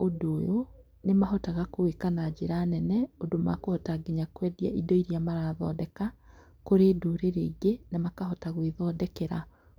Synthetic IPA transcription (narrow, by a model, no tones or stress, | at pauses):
odoːjo | nemaɦɔtaɣakowekanad͡ʑeɾaːnɛnɛodoma̰kohɔtaɡeɲakwɛːdia̰ʔidɔiɾjamaɾaðɔ̰dɛka | koɾedoɾeɾeɡenamakaɦɔtaɣwiðɔdɛkɛɾa